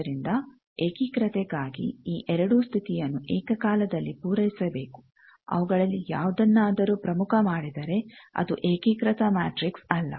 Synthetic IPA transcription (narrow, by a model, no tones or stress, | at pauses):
ɾind̪ɐ | eːkikɾɐt̪ɛɡaːɡḭiːʔɛɾɐɽust̪ʰit̪ijɐnːuʔeːkɐkaːlɐd̪ɐlːipuːɾɐjisɐbe̞ːku̥ | ɐ̰ʋuɡɐɭɐlːijaːʋud̪ɐnːaːd̪ɐɾuːpɾɐmukʰɐmaːɽid̪ɐɾe̞ɐ̰d̪ṵʔeːkikɾɐt̪ɐmaːʈɾiksɐlːɐ̰